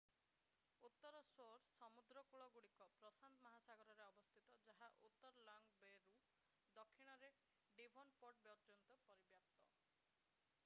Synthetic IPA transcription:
ut̪ːɔɾɔsoɾsɔmud̪ɾɔkuɭɔɡuɽikɔpɾɔsant̪mɔɦasaɡɔɾɔɾeɔbɔst̪ʰit̪ɔd͡ʒaɦaʔut̪ːɔɾɔlɔŋɡbeɾu | d̪ɔkʰːiɽ̃ɔɾe | ɖibʱɔnpɔʈ̚bjɔɾd͡ʒɔnt̪ɔpɔɾibjap̚t̪ɔ

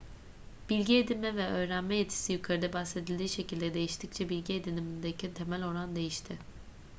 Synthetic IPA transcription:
b̥ilʲɟie̞d̪ilʲmɛvɛø̞ːɾænmɛjet̪ʰi̥sijykʰaɾɯd̪ɛbase̞d̪ilʲd̪iːʃe̞cilʲd̪ɛd̪e̞jiʃt̪ʰic̚t͡ʃʰɛbilʲɟied̪inimind̪ecʰɛt̪ʰe̞mælʲo̞ɾand̪e̞jiʃt̪ʰɪ

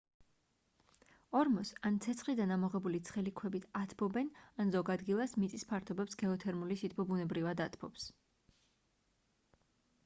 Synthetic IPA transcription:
ɔɾmɔsant̪sʰɛt̪sʰχid̪anamɔʁɛbulit̪sʰχɛlikʰwɛbit̪ʰat̪ʰbɔbɛnanzɔɡad̪ɡilˠasmit̪sʼispʰaɾt̪ʰɔbɛpsɡɛɔt̪ʰɛɾmulisit̪ʰbʰɔbunɛbɾivad̪at̪ʰpʰɔps

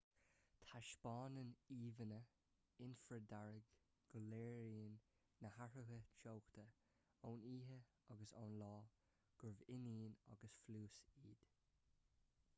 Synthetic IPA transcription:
t̪ʰaʃpɑːnəniːvənə | ɪnfəd̪aɹɪɡ | ɡ̥ɔlɛːɹiənː | əhaɹəɦət͡ʃowkt̪ʰə | oːniːɦə | ɑɡəsa̰ːnlɑː | ɡ̥ʊɹvɪniːna̰ɡəsfluːsiːd̪̥

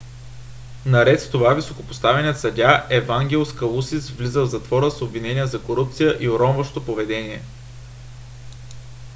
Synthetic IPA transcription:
nɐɾɛt̪st̪ovavisokopo̥st̪avɛnʲiət̪sɐdʲaʔɛvaŋɡʲɛlˠskəlˠusisvlizəlzɐt̪vɔɾəsobvinɛnʲijəzɐkoɾup̚t̪sijəʔioɾɔnvəʃt̪opovɛd̪ɛniɛ

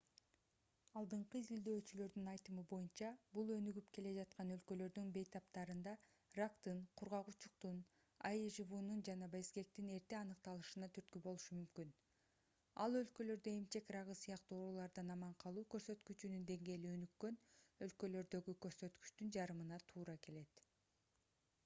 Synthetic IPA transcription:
ɑlˠd̪ɯɴqɯizild̪ø̞ːt͡ʃylø̞ɾd̪ynɑjt̪ɯmɯbo̞junt͡ʃɑbulˠø̞nyɡypke̞le̞d͡ʒɑt̪̚qɑnø̞lkø̞lø̞ɾd̪ynbe̞jt̪ɑpt̪ɑɾɯnd̪ɑ | rakt̪ɯnqʰuɾʁɑʁut͡ʃuq̚t̪un | ɑ̰jʒɯβunund͡ʒɑnɑbe̞ske̞k̚t̪ine̞ɾt̪eɑnɯq̚t̪ɑlˠɯʃɯnɑt̪ʰyɾt̪̚kybo̞lˠuʃumymkyn | ɑlˠø̞lkø̞lø̞ɾd̪øemt͡ʃe̞krɑʁɯsɯjɑqt̪uoɾulˠɑɾd̪ɑnɑmɑɴqʰɑlˠuːkø̞ɾsø̞t̪kyt͡ʃynynd̪e̞ŋɡe̞ːliø̞nykːø̞nø̞lkø̞lø̞ɾd̪ø̞ɡykø̞ɾsø̞t̪ky̥t͡ʃt̪ynd͡ʒɑɾɯmɯnɑt̪ʰuːɾɑke̞le̞t̪

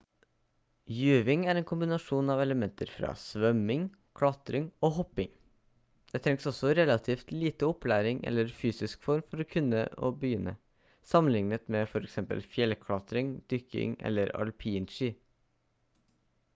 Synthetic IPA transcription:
jʉːʋɪŋæɾɛːnkʰʊmbɪnɑʂuːnɑːʋɛləmɛnt̪ʰəɾfɾɑ̰ːsʋœmɪŋ | kʰɽɑt̪ɾɪŋoːɦɔpːɪŋ | d̪̥ɛːt̪ʰɾɛŋsɔsɔɾɛlɑt̪ʰiːft̪liːt̪əɔplæːɾɪŋʔɛ̰lːəɾfyːsɪskfɔɾmfɔɾɔkʰʉnːə̰o̰ːbəjʏnːə̰ | sɑmənlɪŋnət̪mɛfɔɾɛksɛmpə̰lfjɛlkʰɽɑt̪ɾɪŋd̪̥ʏkːɪ̰ŋɛ̰lːəɾɑ̰lpʰiːnʃiː

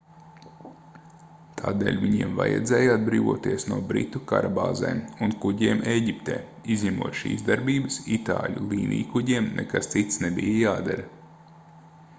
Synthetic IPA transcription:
t̪ʰaːd̪ḛːlʲviɲiɛmva̰jɛ̰d̪zɛːjad̪̚bɾiːvuɔt̪iɛsnuɔbɾḭt̪uka̰ɾabaːzɛ̰ːmunkuɟiɛɛmʔeːɟipt̪ḛː | izʲɲʲɛmuɔt̪ʃḭːzd̪aɾbiːbəsit̪aːlʲulˠiːnʔḭːkuɟiɛmnʔɛkast̪sit̪snebijajaːd̪aɾɐ

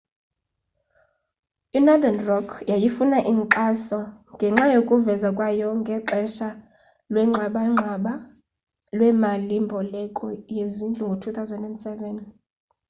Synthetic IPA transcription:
inad̪anrɔkʰjajifunaʔiŋǃasɔŋɡʱɛŋ͡ǁajokʼuvɛzakʼwajɔŋɡʱɛǃɛʃa | lwɛŋ͡ǁʱaɓaŋ͡ǁʱaɓa | lwɛmalimbʱɔlɛkʼɔjezind͡ɮʱʼuŋɡʱotʰuθawzɛndɛndsɛvɛn

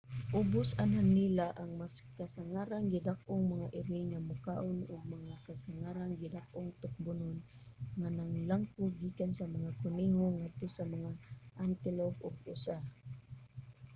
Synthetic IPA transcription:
ʔʊbʊsanɦanːilaʔaŋmaskasaŋaɾaŋɡɪd̪ak̚ʔʊŋmaŋaʔɪɾɪŋamʊkaʔʊnʊɡ̚maŋakasaŋaɾaŋɡɪd̪ak̚ʔʊŋt̪ʊk̚bʊnʊn | ŋanaŋlaŋkʊɡikansamaŋakʊniŋoŋad̪̚t̪osamaŋaʔant̪ɪlob̚ʊɡ̚ʊsa

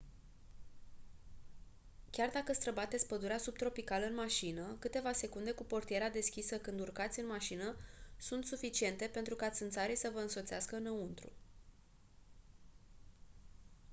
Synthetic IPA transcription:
kʲard̪akəst̪ɾəbat̪et̪sʲpəd̪uɾeasub̚t̪ɾo̞pikaləɨnmaʃinəkɨt̪e̞vase̞kund̪e̞kupo̞rt̪ijeɾead̪e̞skʲisəkɨnd̪urkat̪sʲɨnmaʃinəsunt̪sufit͡ʃie̞nt̪e̞pe̞nt̪ɾukat̪sɨnt̪saɾisəvəɨnso̞t̪seaskəɨnəunt̪ɾṵ

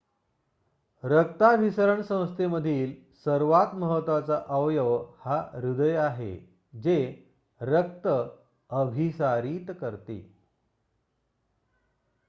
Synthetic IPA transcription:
ɾək̚t̪abʱisəɾəɳsə̃w̃st̪ʰeməd̪ʱiːl | səɾʋat̪məɦət̪ʋat͡saʔəʋjəʋhaɾud̪əjaɦḛ | d͡ze | ɾək̚t̪ə | əbʱisaɾiːt̪kəɾt̪ḛ

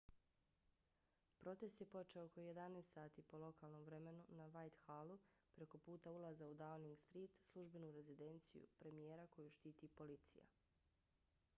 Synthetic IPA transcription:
pɾo̞t̪e̞st̪je̞po̞t͡ʃeooko̞je̞d̪aneːst̪saːt̪iːpo̞lo̞kaːlˠno̞mvɾe̞me̞nunaʋajt̪xalupɾe̞ko̞puːt̪aulˠazaud̪awniŋɡst̪ɾiːt̪slˠuʒbe̞nuɾe̞zid̪e̞nt̪sḭjṵpɾe̞mijeːɾako̞juʃt̪iːt̪ipo̞lit̪sḭja̰

